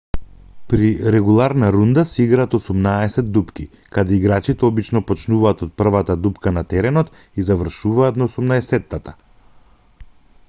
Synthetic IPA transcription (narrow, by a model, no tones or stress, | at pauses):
pɾiɾɛɡulˠaɾnaɾund̪asɛiɡɾaːt̪ɔsumnaɛsɛd̪̚d̪upki | kad̪ɛiɡɾat͡ʃit̪ɛɔbit͡ʃnɔpɔt͡ʃnuvaːt̪ɔt̪̚pr̩vat̪ad̪upkanat̪ɛɾɛnɔt̪ | izavr̩ʃuvaːt̪naosumnaɛsɛt̪ːat̪a